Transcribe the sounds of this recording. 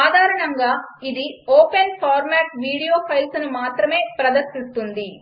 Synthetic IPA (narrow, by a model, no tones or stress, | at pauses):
aːd̪ʱaːɾɐɳɐŋɡaːid̪ioːpenpʰaːɾmaːʈʋiːɽijoːpʰɐjlsnumaːt̪ɾɐme̞ːpɾɐd̪ɐɾsist̪und̪i